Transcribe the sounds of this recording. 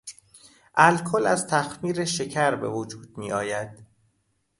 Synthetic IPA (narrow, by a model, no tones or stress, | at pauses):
ʔælkʰolæzt̪ʰæxmiːɾeʃe̞cʰæɾbḛvod͡ʒuːd̪̚miːʔɒːjæd̪̥